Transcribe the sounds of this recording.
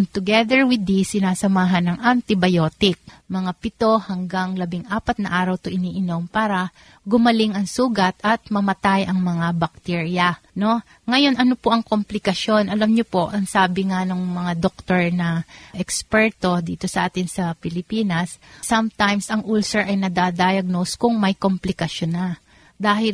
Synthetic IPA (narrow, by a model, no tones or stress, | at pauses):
nt̪ʊɡɛd̪ɛɹwɪd̪isɪnaːsɐmaːɦɐnːɐŋʔɐnt̪ɪbɐjo̞ːt̪ɪk̚ | mɐŋapɪt̪o̞hɐŋɡaŋlɐbɪŋʔaːpɐt̪̚nɐʔaːɾɐwt̪oʔɪniːʔɪno̞mpaːɾɐ | ɡʊmɐlɪŋɐŋsuːɡɐt̪ɐt̪̚mɐmɐt̪ajʔɐŋmɐŋabɐk̚t̪iɹjɐ | no̞ | ŋɐjo̞nʔɐno̞poʔɐŋko̞mplɪkɐʃo̞nʔɐlamɲopo̞ʔɐŋsaːbɪŋanoŋmɐŋad̪ok̚t̪oɹnɐʔɛkspɛɹt̪o̞d̪iːt̪o̞sɐʔaːt̪ɪnsɐpɪlɪpiːnɐssɐmt̪ajmsɐŋʔulsɛɹʔɐjnɐd̪ad̪ajɐɡ̚no̞skʊŋmɐjkomplɪkɐʃonɐ | d̪aːhɪl